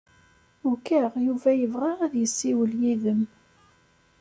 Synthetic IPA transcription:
ʊkæʁjuvæjəvʁaʁæðjəsːiwəljiðəm

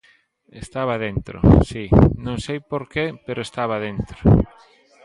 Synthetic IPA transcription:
est̪aβaðent̪ɾo̰sinõŋsejpoɾkepeɾoest̪aβaðent̪ɾo

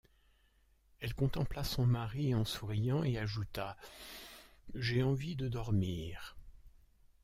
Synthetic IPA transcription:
ɛlkɔ̃t̪ɑ̃plasɔ̃maʁiɑ̃suʁijɑ̃eaʒut̪a | ʒeɑ̃vid̪əd̪ɔʁmiːʁ

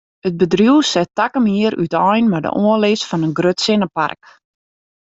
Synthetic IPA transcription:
ət̚bədrjuəsɛtakəmiəɾy̰tɔjnmadə̰ʔoəlɪsfɔnənɡrøtsɪnəpa̰rk

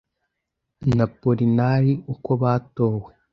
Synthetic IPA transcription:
napoɾinaɾiukoβaːtoːwe

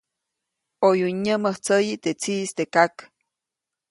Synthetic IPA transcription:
ojuɲːəməht͡səjit̪et͡sist̪ekak

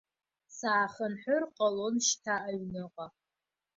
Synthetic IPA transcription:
saːχənħʷʊrqʼalonʃtʰaʔːɥnɨqʼa

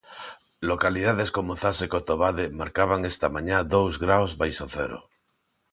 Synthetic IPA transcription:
lokaliðaðeskomoθasekot̪oβaðemaɾkaβaŋest̪amãɲaðowzɣɾawzβajsoθḛɾo̰

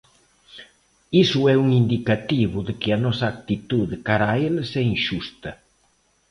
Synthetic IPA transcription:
isuɛuŋind̪ikat̪iβuðekɪɐnɔsɐːk̚t̪it̪uðekaɾaelsɛiŋʃust̪ɐ

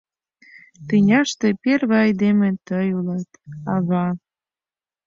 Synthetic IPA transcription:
t̪inʲɑʃt̪eperβɑɑjd̪emĕt̪əjulɑt̪ɑβɑ

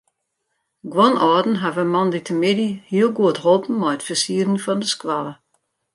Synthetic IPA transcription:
ɡwɔnɔːdn̩ɦavəmɔnditʰəmɪdihiəlˠɡuətɦɔlˠpn̩mɔjətfəsiədn̩fɔndəskwalˠə

